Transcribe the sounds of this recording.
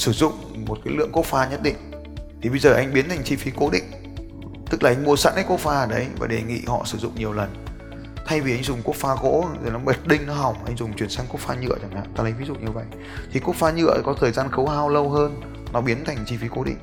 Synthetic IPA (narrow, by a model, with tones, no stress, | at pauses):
sɨ˧˩zʊ̰˧˨ŋ͡mmo˨˩t̚kaː˨˦jlɨ̰˧˨əŋku˦˥ək̚faː˧ɲə˦˥t̚ɗḭ˧˨ŋ̟ | t̪ʰi˨˩ɓə˧jzəː˨˩ʔa˧jŋ̟ɓi˨˦nt̪ʰŋ̟t͡ɕi˧fi˨˦ko˨˦ɗḭ̈˧˨ŋ̟ | t̪ɨ˦˥k̚laː˨˩ʔa˧ŋ̟mu˧əsa̰ː˧˥nkaː˨˦jko˦˥k̚faː˧ə˨˩ɗə˨˦jva̰ː˨˩ɗe˨˩ŋḭ˧˨hɔ̰˧˨sɨ˧˩zʊ̰˧˨ŋ͡mɲi˨˩əwlə˨˩n | t̪ʰa˧jvi˨˩ʔa˧jŋzʊ˨˩ŋ͡mku˦˥ək̚faː˧ɣo̰˧˥zo˨˩nɔ˨˦ɓə˨˩t̚ɗï˧ŋ̟nɔ˨˦ɦa˨˩wŋ͡mʔa˧jŋ̟zʊ˨˩ŋ͡mt͡ɕwi˨˩ənsa˧ŋ̟ku˦˥əkfaː˧ɲɨ̰˧˨ət͡ɕa˧˩ŋha̰ː˧˨t̪aː˧lə˨˦jvi˨˦zṵ˧˨ɲɨ˧və̰˧˨j | t̪ʰi˨˩ku˦˥ək̚faː˧ɲɨ̰˧˨əkɔ˨˦t̪ʰəː˨˩jzaː˧nxə˨˦whaː˧wlə˧wɦəː˧n | nɔ˨˦ɓi˨˦ənt̪ʰa˨˩jŋ̟t͡ɕi˧fi˨˦ko˨˦ɗḭ˧˨ŋ̟